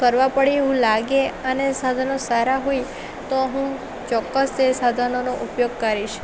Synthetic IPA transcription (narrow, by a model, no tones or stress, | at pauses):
kəɾʋãpəɽieɦũlaɡeənesad̪ʱanosaɾaɦoi | t̪oɦũ | t͡ʃɔkːəst̪esad̪ʱanonoʔupjoɡ̚kəɾiʃ